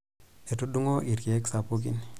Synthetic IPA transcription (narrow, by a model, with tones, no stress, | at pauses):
e˨tu˦du˦ŋo˦ʔi˨ɾke˨e˦ksa˨po˦k̬ḭ˦n